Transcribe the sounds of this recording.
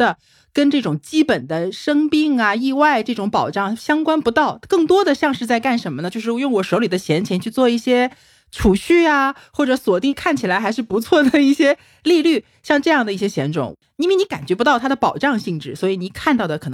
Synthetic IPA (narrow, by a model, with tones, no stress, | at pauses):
ə˨ | kə˥nʈ͡ʂɤ˥˩ʈ͡ʂʊ˨˩ŋt͡ɕi˥pə˨˩nd̪ə˦ʂɤ˥ŋpi˥ŋɐ˨i˥˧wa˥˧ɪʈ͡ʂɤ˥˩ʈ͡ʂʊ˧˥ŋpɑ˨˩ʊʈ͡ʂɑ˥˩ŋɕjɑ˥ŋkwa˥npu˧˥t̪ɑ˥˩ʊkɤ˥˩ŋt̪wɔ˥d̪ə˨ɕjɑ˥˧ŋʂɻ̩˥˧t͡sa˥˧ɪka˥˩nʂə˧˥nmə˧ə˨t͡ɕo˥˧ʂɻ̩˥˩˧jʊ˥˩ŋwɔ˨˩ʂo˧˥ʊli˨˩d̪ə˦t͡ɕʰjɛ˧˥nt͡ɕʰjɛ˧˥nt͡ɕʰy˥˧t͡swɔ˥˧i˥˩ɕjɛ˥ | ʈ͡ʂʰu˨˩ɕy˥˩a˧˩xwɔ˥˩ʈ͡ʂɤ˧˥swɔ˨˩t̪i˥˧ŋkʰa˥˩nt͡ɕʰi˨˩la˧˥xa˧˥ɪʂ̬ɻ̩˥˩pu˧˥t͡sʰwɔ˥˩d̪ə˩i˥˩ɕjɛ˥ | li˥˧ly˥˩ | ɕjɑ˥˧ŋʈ͡ʂɤ˥˧jɑ˥˩ŋd̪ə˩i˥˩ɕjɛ˥ɕjɛ˧˥nʈ͡ʂʊ̰˨˩ŋ | i˥˧we˥˩ɪni˧˥ka˨˩nt͡ɕɥɛ˧˥pu˧˥t̪ɑ˥˩t̪ʰa˥d̪ə˨˩pɑ˨˩ʊʈ͡ʂɑ˥˧ŋɕi˥˧ŋʈ͡ʂɻ̩˥˩swɔ˧˥i˧˥ni˧˥kʰa˥˧nt̪ɑ˥˩ʊd̪ə˩kʰɤ˨˩˧